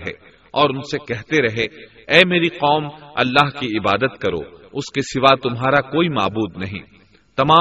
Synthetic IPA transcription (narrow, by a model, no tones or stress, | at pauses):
ɦɛ̰ː | ɔːɾʊnsekɛɦt̪eɾɐɦe | ɛːmeːɾiqɔːmɐ̰lːaːɦkiɪba̰ːd̪ət̪kɐɾo̰ːʊskesɪʋat̪ʊmɦaːɾakoːima̰ːbuːd̪nɐɦḭ̃ː | t̪ɐmaː